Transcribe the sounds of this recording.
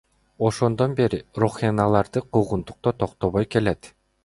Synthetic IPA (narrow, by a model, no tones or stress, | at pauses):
o̞ʃo̞nd̪o̞nbe̞ɾiruχɑnɑlˠɑɾd̪ɯqʰuʁunt̪u̥q̚t̪ot̪ʰoqt̪oβojke̞let̪